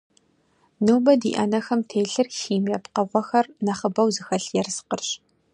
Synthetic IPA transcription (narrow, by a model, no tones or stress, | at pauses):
nɨwbɐdḭːʔɐ̰nɐxɐmtʰeːɬɨrxiːmɐpqɐʁʷɔxɐrnɐχəbɐwzɨxɐɬjɛrsqərɕ